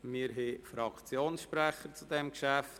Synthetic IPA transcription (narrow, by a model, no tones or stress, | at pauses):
mɪːɾɦefɾɑkʰt͡sjoːnsʃpɾɛχəɾt͡sudɛmkʃæft